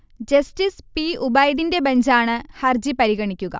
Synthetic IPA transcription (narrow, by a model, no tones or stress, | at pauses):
d͡ʑɐstispiubɐjðinde̞bɐnd͡ʑaːɳɨhɐrd͡ʑipɐɾiɣɐɳikʲːuɣɐ̰